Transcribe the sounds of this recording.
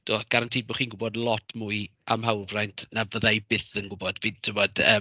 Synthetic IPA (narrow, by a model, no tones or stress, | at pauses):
d̥oːɡ̥aɾantʰiːbʊχiːnɡʊbɔdlˠɔtʰmuɨʔa̰mɦawlvrajntʰnavəðajbɪθənɡʊbɔdviːd̥tʰɪmɔdəː